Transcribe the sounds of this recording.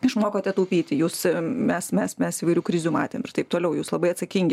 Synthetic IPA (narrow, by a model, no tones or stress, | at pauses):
ɪʃmoːkoːt̪ʲɛt̪oʊpʲiːt̪ʲɪjuːsmʲɛsmʲɛsmʲɛsɪiʋɐɪɾʲuːkɾʲɪzʲuːmɑ̰ːt̪ʲeːmɪrt̪ɐɪp̚t̪oːlʲɛʊjuːslˠɐbɐɪɐt̪sɐkʲiŋʲɡʲɪ